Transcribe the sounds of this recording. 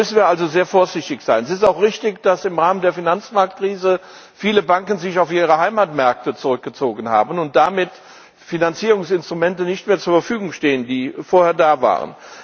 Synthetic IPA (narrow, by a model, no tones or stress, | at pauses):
mʏsn̩viːɐʔalzozeːɐfoːɐzɪçtɪçz̥aɪnɛsɪstaʊxʁ̥ɪçtɪçd̥asɪmʁaːməndeːɐfinant͡smaɐk̚t̚kʁ̥iːzə | fiːləbaŋkən̩zɪçaʊfʔiːʁ̞əhaɪmaːtmɛɐk̚tət͡suʁʏk̚ɡ̥ət͡soːɡən̩ha̰ːbənʊnt̚d̥amɪt | finant͡siːʁʊŋsɪnstʁumɛntənɪçtmeːɐt͡suːɐfɛɐfyːɡʊŋʃteːəndiːfoːɐheːɐdaːva̰ːʁə̰n